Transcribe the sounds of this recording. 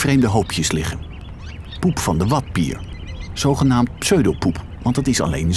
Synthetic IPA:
vrejmdəɦowpʰjəslɪχən | pupfɑndəʋɑt̚pḭːɹz̥owχənaːmtpsøɥdowpup | ʋɑntdətɪsɑ̰lḛjnz

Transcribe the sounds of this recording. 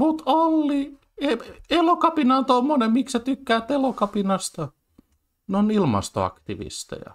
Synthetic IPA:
mut̪olːi | eelokɑpinɑont̪omːonemmiksæt̪ykːæːt̪ːelokɑpinɑst̪ɑ | nonilmɑ̰st̪o̰ɑ̰kt̪iʋḭst̪ḛjɑ̰

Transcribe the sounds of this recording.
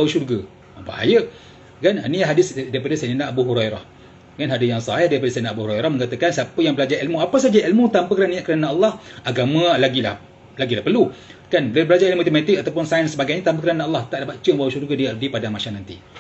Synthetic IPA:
bawuʃurɡa | mba̰ha̰jə | kananiaɦadɪsdaɾipadasananaʔːbuɦuɾajɾa̰h | kanɦadajaŋsaɦɛhdaɾipadasajnaʔabuhuɾajɾahməŋkat̪əkansapəjaŋbəlad͡ʒaʔilmuapəs̬ad͡ʒaʔilmut̪ampəkəɾanĩaʔkəɾanaːlːɑhaɡamãlaɡilah | laɡilahpərlu | kanblabəlad͡ʒailmuat̪emat̪ɪk̚at̪awpʊnsajənsəbaɡajɲat̪ampəkəɾanaɑlːɑht̪aʔlabat͡ʃəmbawuʃurɡadiaʔdipadaŋmaʃaŋnant̪ḭ

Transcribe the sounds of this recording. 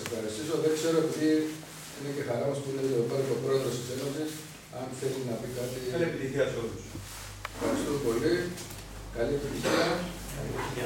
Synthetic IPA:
sefxɐɾist̪iso̞ðe̞kse̞ɾo̞e̞piði | ine̞ce̞xɐɾɐospuineopɐɾit̪opɾo̞e̞ðɾo̞st̪ise̞no̞sis | ɐnθe̞linɐpikɐt̪iliepit̪içiɐsolus | efxɐɾist̪opo̞li | kɐlie̞pit̪içiɐ | lipit̪i

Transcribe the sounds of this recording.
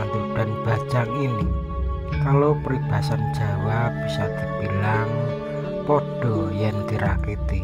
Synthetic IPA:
ant̪ud̥a̤nb̥a̤̥d͡ʒaŋini | kalopəɾib̥a̤san̥d͡ʒ̥a̤wab̥isɔd̪̥i̤b̥ilaŋ | poɖ̥ɔ̤jand̪̥iɾa̰kit̪i

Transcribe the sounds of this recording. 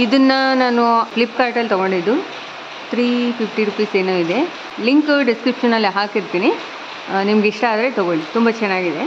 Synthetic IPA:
id̪ɐnːɐnaːnuplip̚ːkaːɾʈɐlt̪ɐɡo̞ɳɖid̪ːu | t̪ʰɾiːpʰipʈiɾupiːseːnuːid̪e̞ | liŋkɖiskɾipʂɐnːɐlːiɦaːkiɾt̪iːni | nimɐɡeiʂʈɐaːd̪ɐɾe̞t̪ɔɡoɭit̪umbɐt͡ʃɛnːaːɡid̪e̞

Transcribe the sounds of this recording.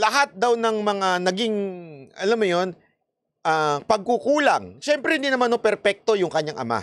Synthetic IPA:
lɐɦat̪̚d̪awnɐŋmɐŋanɐɡiŋʔɐlamːʊjo̞n | ʔaːpɐɡ̚kukuːlɐŋʃɛmpɾɛhɪnd̪inɐmanopɛɾpɛk̚t̪o̞jʊŋkɐɲːaŋʔɐ̰ma̰

